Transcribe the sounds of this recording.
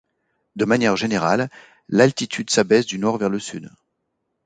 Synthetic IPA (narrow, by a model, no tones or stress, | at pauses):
d̪əmanjɛʁʒeneʁa̰lː | alt̪it̪ʰyd̪sabɛsd̪ynɔʁvɛʁləsyd̪